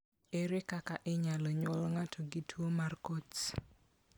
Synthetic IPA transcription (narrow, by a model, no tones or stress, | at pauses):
eɾɪkakaʔɪɲaloɲɔlŋatʰoɡɪtʰuomarkot